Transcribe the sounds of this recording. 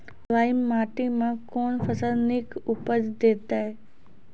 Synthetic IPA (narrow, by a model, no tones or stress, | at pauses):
ʋaːɪmːaːʈimãkoːnfəsəlnikʊpəd͡ʑd̪eːt̪aɦe